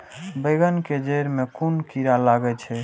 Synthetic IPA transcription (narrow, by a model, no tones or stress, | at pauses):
beɡənked͡ʒəjɾmekunkiɾalaɡɛt͡ʃʰɛ